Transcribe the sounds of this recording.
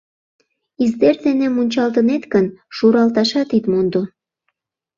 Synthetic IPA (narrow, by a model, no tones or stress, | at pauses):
izd̪erd̪enĕmunʲt͡ɕɑlt̪ənet̪ɡənʃuɾɑlt̪ɑʃɑt̪it̪mond̪o